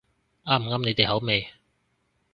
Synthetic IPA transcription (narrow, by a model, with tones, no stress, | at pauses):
aː˥m̩˨˩ŋaː˥mne˨˧t̪e˨ɦɐ˨˥wme˨˧j